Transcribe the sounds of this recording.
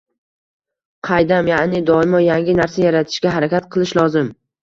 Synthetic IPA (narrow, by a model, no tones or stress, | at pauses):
qʰɑjd̪amjaʔnɪd̪ɒɪmɒjaŋʲɪnaɾsajaɾat̪ʰɪ̥ʃɡʲaɦaɾakʲat̪̚qʰɨlˠɪʃlˠɒzɪm